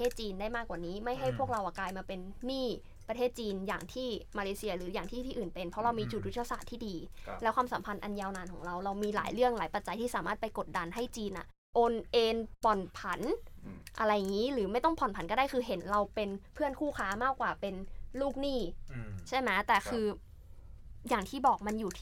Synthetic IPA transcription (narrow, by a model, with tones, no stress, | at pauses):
eː˥˩t̪̚t͡ɕiː˧ndaː˥˩jmaː˥˩kːwaː˨˩niː˦˥ma˥˩jɦa˥˩jpʰu˥˩ək̚ɾa˧wʔa˨˩klaː˧jmaː˧pe˧nːiː˥˩ | pɾa˧t̪ʰeː˥˩t̪̚t͡ɕiː˧nja̰ː˨˩ŋt̪ʰiː˥˩maː˧leː˧˦si˧ɐɾɯː˩˦jaː˨˩ŋt̪ʰiː˥˩t̪ʰiː˥˩ʔɯː˨˩npe˧npʰɾɔ˦˥ɾa˧wmiː˧t͡ɕu˨˩ju˦˥t̪ʰːa˧saː˨˩t̪ʰːiː˥˩diː˧lɛ˦˥kʰwaː˧msa˩˦mpʰa˧nʔa˧njaː˧wnaː˧nkʰɔː˩˦ɾa˧wɾa˧wmiː˧la̰ː˩˦jɾɯ˥˩əŋlaː˩˦jpa˨˧t̪̚t͡ɕa˧jt̪ʰiː˥˩saː˩˦maː˥˩t̪̚pa˧jko˨˩t̪̚da˧nɦa˥˩jt͡ɕiː˧nʔa̰˨˩ʔ | ʔo˧nʔeː˧npɔ˨˩npʰa˩˦nʔa˧ɾa˧jːa˨˩ŋiː˦˥ɾɯː˩˦ma˥˩jt̪ɔ˥˩ŋpʰɔ˨˩npʰa˨˩˦nkɔː˥daː˥˩jkʰɯː˧ɦe˩˦nɾa˧wpe˧npʰɯ˥˩ənkʰuː˥˩kʰaː˦˥maː˥˩kːwaː˨˩pe˧nluː˥˩k̚niː˥˩t͡ɕʰa˥˩jma˦˥t̪ɛː˨˩kʰɯː˧ | jaː˨˩ŋt̪ʰiː˥˩bɔː˨˩k̚ma˧njuː˨˩t̪ʰ